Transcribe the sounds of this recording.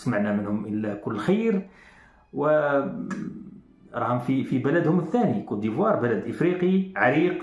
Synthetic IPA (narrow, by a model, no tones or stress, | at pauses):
smaʕnæmənhʊmʔəlːækʊlːxajɾ | wə | ɾˤhɑmfifibælæd̪hʊməθːænikud̪ivɑɾˤbəlæd̪ʔəfɾiqiʕaɾiq